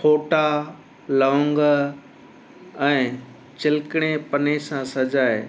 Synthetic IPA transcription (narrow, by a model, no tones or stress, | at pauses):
pʰoːʈa | lɔ̃ːŋɡ | ɛ̃ː | t͡ɕɪlɪkɪɽ̃epɐnesãsɐd͡ʑaːe